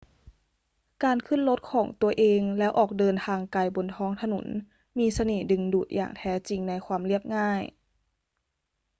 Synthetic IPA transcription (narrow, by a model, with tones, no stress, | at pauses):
kaː˨˩nkʰɯ˧˥˨nlo˦˥t̪̚kʰɔː˩˦ŋt̪u˧ɐʔeː˧ŋlɛ˦˥wʔɔː˨˩k̚dɤː˧nt̪ʰaː˧ŋkaː˨˧˩jbo˨˩nt̪ʰɔː˧˥ŋt̪ʰa˧nṵ˩˦n | miː˧˥sa˧neː˨˩dɯ˨˩ŋduː˨˩t̪̚jʔa̰ː˨˩ŋt̪ʰɛː˦˥t͡ɕi˨ŋna˧˥jkʰwaː˧mli˥˩əp̚ŋaː˥˩j